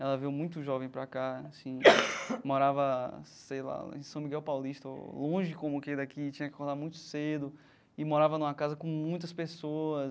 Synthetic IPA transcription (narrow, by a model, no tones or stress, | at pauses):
ɛlɐvewmũj̃t̪ʊʒɔvẽj̃pɾakasĩmoɾavɐsejla̰ḛ̃sɐ̃w̃miɡɛwpawliʃt̪ɐlõʒɪkõmʊkejd̪akit͡ʃĩɲɐkɪ̥kohd̪aɾmũj̃t̪ʊ̥sed̪ʊ | ɪmoɾavɐnũmɐkazɐkõmũj̃t̪̬ɐspesoɐs